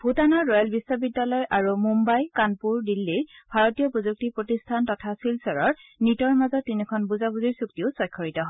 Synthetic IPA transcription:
bʱutanɔːɔjɔlbisːɔbidːalɔjʔaɹumumbajkanpuɹdilːijbʱaɹɔtijɔpozuk̚tipɹotistʰantɔtʰasilsɔɹɔɹnitɔɹmazɔtːinikʰɔnbuzabuziɹsuk̚tiʊsɔjkʰːɔɹitɔɦɔ

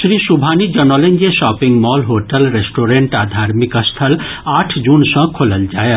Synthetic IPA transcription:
sɾisubʱanid͡ʒənɔlend͡ʒesɔːpiŋɡmɔːlɦoʈəlɾesʈoːɾeɳʈaːd̪ʱaɾmikəst̪ʰəl | aːʈʰd͡ʒuːnsə̃kʰoləld͡ʒaːje

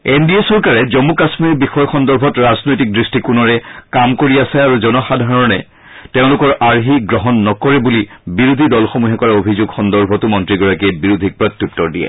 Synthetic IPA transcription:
endiesɔɹkaɹɛzɔmukasmiɹbixɔjɔxɔndɔɹbʱɔtɹaznojtik̚dɹistikunɔɹɛkamkoɹiasɛaɹuzɔnɔxadʱaɹɔnɛ | teʊ̃lʊkɔɹaɹɦiɡɹɔɦɔnːɔkɔɹɛbulibiɹud̪ʱidɔlxɔmuɦɛkɔɹaobʱizʊɡxɔndɔɹbʱɔtumɔntɹiɡɔɹakiɛbiɹud̪ʱik̚pɹɔt̪ːjup̚tːɔɹdijɛ̰

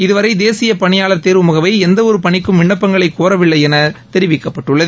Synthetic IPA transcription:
ɪðɯʋɐɾɐɪd̪eːsɪjɐpɐɳɪjaːɭɐt̪eːɾʋɯmʊɣɐʋɐɪɛnd̪ɐɔɾɯpɐɳɪkːɯmʋɪɳːɐpːɐŋɡɐɭɐɪkːoːɾɐʋɪɭːɐɪɛnɐt̪ɛɾɪʋɪkːɐpːɐʈːɯɭːɐðɯ

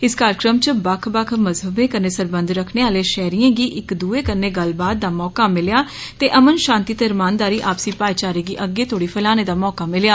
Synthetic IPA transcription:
ɪskaːɾəkɾəmt͡ʃəbəkʰbəkʰməzɦəbẽːkəɾneːsəɾbə̃nd̪ɾəkʰneːaːleːʃɛːɾiːãːɡiːʔɪkd̪uːeːkəɾneːɡəlbaːd̪̚d̪aːmɔːkaːmɪljaːt̪eːʔəmənʃãːnt̪iːt̪eɾmaːnd̪aːɾiːʔaːpsĩːpaːjt͡ʃaːɾiːɡiːʔəɡːeːt̪ʰoːɽiːpʰəlaːneːd̪aːmɔːkaːmɪljaː

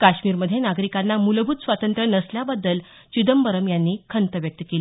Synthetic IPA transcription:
kaɕmiːɾməd̪ʱjenaɡɾikanːamulbʱut̪sʋat̪ənt̪ɾənəsljabad̪ːəl | t͡ɕid̪əmbəɾəmjanːiːkʰənt̪əʋjək̚t̪əkeli

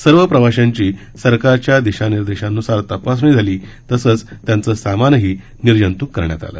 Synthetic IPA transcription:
səɾʋəpɾəʋaɕaɲt͡ɕiː | səɾkaɾt͡ɕjad̪iɕaniɾd̪eɕãnːusaɾt̪əpas̬uɳiːd͡zʱaliːt̪əsəːt͡st̪jant͡səːsamanɦiː | niɾd͡ʑənt̪uːkːəɾɳja̰t̪a̰lə̰ː

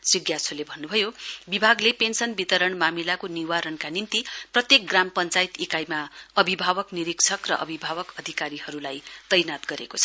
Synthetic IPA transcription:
sriɡjasʰolebʱʌnːubʱʌjobibʱaɡlepensʌnbit̪ʌɾʌɳmamilakoniwaɾʌnkanimt̪iprʌt̪jek̚ɡrampʌnt͡sajt̪ikajmaʌbʱibʱabʌkniɾiksʰʌkrʌ̰ʔʌ̰bʱibʱaβʌkʌd̪ʱikaɾihʌɾulajt̪ʌjnat̪ɡʌɾḛkot͡sʰʌ̥

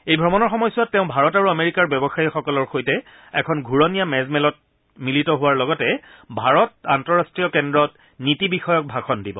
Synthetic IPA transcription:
ejbʱɹɔmɔnɔɹxɔmɔjsʊatːeʊ̃bʱaɹɔtaɹuameɹikaɹbjɔbɔxaixɔkɔlɔɹxojtɛ | ɛkʰɔnɡʱuɹɔnijamɛzmɛlɔt̚ | militɔɦʊwaɹlɔɡɔtɛbʱaɹɔt̚antɔɹastɹiɔkɛndɹɔt | nitibixɔjɔk̚bʱakʰɔndibɔ

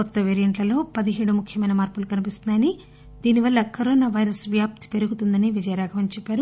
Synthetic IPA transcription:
kɔt̪ːɐʋeːɾijɐɳʈlɐlo̞ːpɐd̪iɦeːɽumukʰjɐmɐjnɐmaːɾpulukɐnipist̪und̪ɐni | d̪iːniʋɐɭːɐkɐɾoːnaʋɐjɾɐsʋjaːp̚t̪i̥pe̞ɾuɡut̪und̪ɐniʋid͡ʒɐjɐɾaːɡʰɐʋɐnt͡ʃɛpːaːɾu

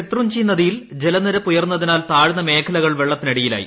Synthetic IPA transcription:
et̪rumt͡ɕijnːɐðijild͡ʑe̞lɐnɐɾɐpːujɐrnːɐðinaːlt̪aːɻinːɐmeːkʰɐlɐɣɐɭʋeɭːɐt̪ːinɐɽijila̰ːjḭ

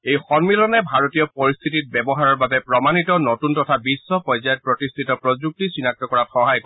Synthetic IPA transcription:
ejxɔnmilɔnɛbʱaɹotijɔpɔɹist̪ʰitit̚bɛbɔɦaɹɔɹbabɛpɹɔmanitɔnɔtuntɔtʰabisːɔpɔjzajɔt̚pɹɔtistʰitɔpɹɔzuk̚tisinak̚tɔkɔɹatxɔɦajkɔ

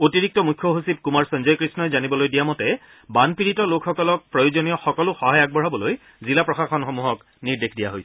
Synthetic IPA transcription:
otiɹik̚tɔmujkʰːɔɦusip̚kumaɹsɔnzɔjkɹisnɔjzanibɔlojdijamɔtɛ | banpiɹitɔlokxɔkɔlɔk̚pɹɔjozonijɔxɔkɔlʊxɔɦajaɡ̚bɔɹ̤abɔloj | zilapɹɔxaxɔnxomuɦɔk | niɹdekʰdija̰ɦojsɛ

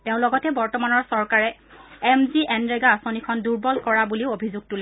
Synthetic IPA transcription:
teʊ̃lɔɡɔtɛbɔɹtɔmanɔɹsɔɹkaɹɛɛmziʔɛnɹɛɡaːsonikʰɔnduɹbɔlkɔɹabuliʊobʱizuɡ̚tulɛ

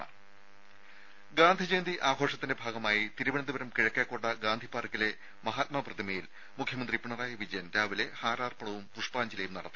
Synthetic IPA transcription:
ɡaːnd̪ʱid͡ʑeːnd̪iʔaːɡʱo̞ːʂɐt̪ːinde̞bʱaːɡɐmaːjit̪iɾuʋɐɳɐðiʋɐɾɐmkiɻɐkːeːkːoːɳɖɐɡaːnd̪ʱipːaːrikːile̞ | mɐɦaːt̪̚mɐprɐd̪imɐjil | mukʰjɐmɐnd̪ripuɳɐraːjɐʋid͡ʑɐjɐnd̪aːʋile̞haːɾaːrpɐɳɐʋumpuʂpaːɲd͡ʑilɐjumnɐɽɐ̰t̪ːɨ

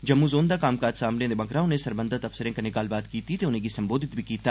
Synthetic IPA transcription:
d͡ʒɐmːũzoːnd̪akaːmkaːd͡ʒsaːmlẽd̪ebɐ̃kɾãːõnesɐɾbə̃nd̪ʱət̪ɐfsəɾẽkanɪkaːlbaːt̪kiːt̪it̪eʊnẽkisɐ̃mboːd̪ʱɪt̪̚bʱikiːt̪a

